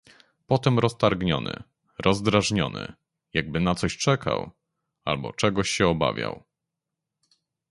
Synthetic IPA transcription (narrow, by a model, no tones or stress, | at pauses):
pɔt̪ɛmɾɔst̪aɾɡɲɔ̰nɘ̰ | ɾʔɔzd̪ɾaʐɲɔnɘ̰ | jaɡ̚bɘnat̪sɔɕt͡ʂɛkʰa̰w | albɔ̰t͡ʂɛɡɔɕɕɛɔba̰vʲja̰w